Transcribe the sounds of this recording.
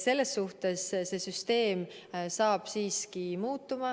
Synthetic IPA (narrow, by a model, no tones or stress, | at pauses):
se̞lːe̞sːuht̪e̞sse̞syst̪e̞ːmsɑːb̥siːskimuːt̪ːˑumɑ